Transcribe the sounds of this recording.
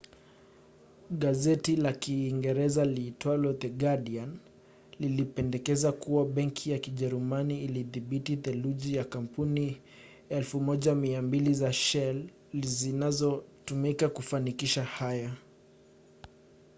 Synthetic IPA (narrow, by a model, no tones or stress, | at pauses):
ɠazɛtilakiːŋɡɛɾɛzalitwalɔt̪ɛɡaɗian | lilipɛndɛkɛzakuwaɓɛŋkʰijakiʄɛɾumaniːliðibititɛluʄijakampuni | ɛlfumɔʄamiambilizaʃɛl | zinazɔtumikakufanikiʃahaja